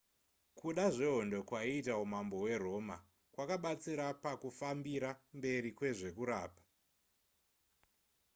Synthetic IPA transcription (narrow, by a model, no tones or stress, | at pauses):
kuɗaʐeɦondo̞kwaiːtaumambo̞we̞ro̞ːma̰ | kwakaɓat͡siɾapakufambiɾambe̞ɾikwe̞ʐe̞kuɾaːpḁ